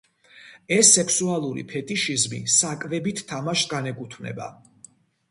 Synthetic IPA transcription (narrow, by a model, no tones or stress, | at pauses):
ɛsːɛkʰsualˠuɾḭpʰɛt̪ʼiʃizmḭsakʼvɛbit̪ʰːamaʃɡanɛkʼut̪ʰvnɛ̰ba̰